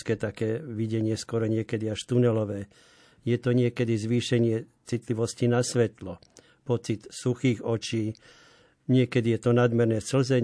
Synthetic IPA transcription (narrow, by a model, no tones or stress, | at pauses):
skɛːt̪akɛːʋiɟɛɲɪɛskʊɔɾɔɲɪɛkɛd̪iaʃt̪unɛlɔʋɛː | jɛt̪ɔɲɪɛkɛd̪izʋiːʃɛɲɪɛt͡sit̪liʋɔscinasʋɛt̪lɔ | pɔt͡sit̪suxiːɣɔt͡ʃiː | ɲɪɛkɛd̪ijɛt̪ɔnad̪mɛɾnɛːsl̩zɛ